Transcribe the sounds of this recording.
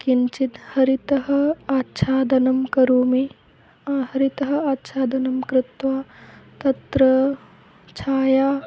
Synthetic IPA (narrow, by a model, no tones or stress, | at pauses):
kint͡ʃit̪hɐɾit̪ɐɦɐ̆aːtːʃʰaːd̪ʱɐnɐmkɐɾuːmi | ahɐɾit̪ɐɦɐ̆aːtːʃʰaːd̪ɐnɐmkɾɪt̪ʋaːt̪ɐt̪ɾɐ | t͡ʃʰaːjaː